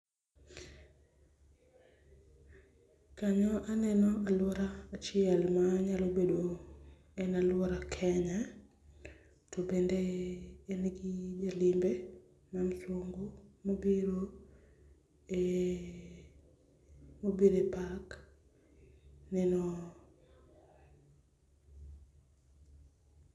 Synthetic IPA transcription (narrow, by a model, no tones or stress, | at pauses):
kaɲɔʔanɛnɔʔalwɔɾaːt͡ʃɪɛlmaɲalobedo | ɛnalwɔɾakʰɛɲa | tobendeː | nɡid͡ʒalimbe | manswoŋɡomobiɾo | e | mobiɾepak | nɛnɔ